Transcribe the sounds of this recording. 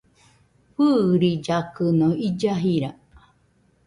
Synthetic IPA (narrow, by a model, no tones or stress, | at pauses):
ɸɨɾid͡ʒakɨnõid͡ʒaɦiɾa